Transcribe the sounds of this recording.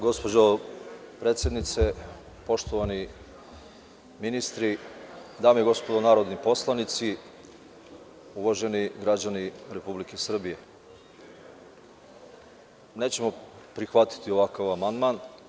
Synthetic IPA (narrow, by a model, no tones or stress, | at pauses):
ɡo̞spo̞d͡ʑopɾet̪sje̞d̪nit̪se | po̞ʃt̪oʋani | minist̪ɾid̪aːmeeɡo̞spod̪onaːɾo̞d̪nipo̞slˠanit̪si | uʋaʒe̞niɡɾad͡ʑaniɾe̞publikesr̩bije̞ | ne̞ːt͡ɕe̞mo̞pɾixʋat̪i̥t̪io̞ʋakaʋamand̪man